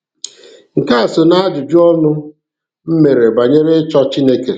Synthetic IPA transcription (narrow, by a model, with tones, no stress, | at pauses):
ŋ̩˨ka˦a˨so˨na˦d͡ʒʊ˨d͡ʒu˦ɔ˦nʊ˦ | m̩˦me˨ɾe˨ba˨ɲe˦ɾe˦t͡ʃɔ˦t͡ʃi˦ne˦ke˨